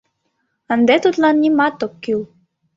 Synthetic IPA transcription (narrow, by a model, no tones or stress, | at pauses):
ənd̪et̪ut̪lɑnːʲimat̪ːokkːiw